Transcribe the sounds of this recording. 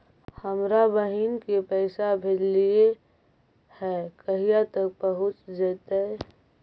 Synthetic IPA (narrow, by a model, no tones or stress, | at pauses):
həmɾabəɦinkepɛɪsabʱelie | hɛkəɦijat̪ək̚pəɦʊt͡ʃd͡ʒət̪e